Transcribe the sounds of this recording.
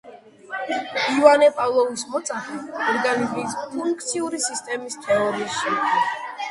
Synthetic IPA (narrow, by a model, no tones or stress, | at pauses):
ivanɛpʼavlˠɔvismɔt̪sʼaχiɔɾɡaniziːspʰuŋkk̚ʰt̪sʰiuɾisist̪ʼɛmist̪ʰɛɔɾiːsʃɛmt̪ʰnɛ